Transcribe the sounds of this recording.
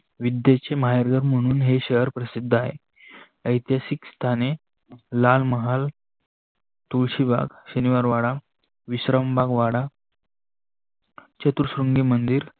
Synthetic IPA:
ʋid̪jet͡ɕeməɦajɾɡəɾm̤əɽ̃uːnɦeɕəɦəɾpɾəsid̪ʱːaɦḛ | əjt̪jasikst̪ʰane | lalməɦal | t̪uɭɕiba̰ɡɕəniʋaɾʋaɽa | ʋiɕɾəmbaɡʋaɽa | t͡ɕət̪uɾsɾuŋɡiːmənd̪iːɾ

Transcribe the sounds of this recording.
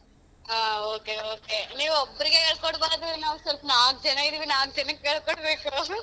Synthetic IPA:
aːoːkeoːkeniːʋobːɐɾiɡekeːɭkoɽbaːɾɐd̪iʋiinaːʋsɐlpnaːɡ̚d͡ʒɛnɐɡid̪iʋinaːɡ̚t͡ʃɛnɐkːeːɭkoɳɽbeːku

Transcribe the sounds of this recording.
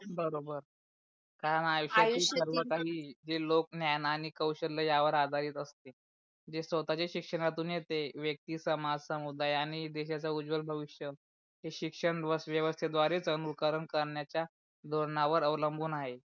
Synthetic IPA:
bəɾobəɾ | kaɾənajuɕaiːsəɾʋəkaɦiːd͡ʑelok̚njajnaːñikəwɕəɾlːəjaʋəɾad̪ʱaɾiːt̪əst̪e | d͡ʑesʋət̪at͡ɕaɕikʂəɽ̃at̪uːnjet̪eʋjək̚t̪iːsəmad͡zsəmud̪ajaɽ̃id̪eɕat͡ɕaud͡zʋəlbʱəʋiʂjə | ɦeɕikʂəɳʋəsʋjəʋəst̪ʰjed̪ʋaɾet͡sənukəɾənkəɾɳjat͡ɕja | d̪ʱoɽɳaʋəɾəʋləmbʱuːnaɦe

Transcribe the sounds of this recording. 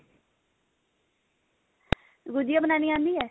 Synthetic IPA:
ɡʊd͡ʒ̪ijaːbənaːniːãːnd̪iːɦɛː

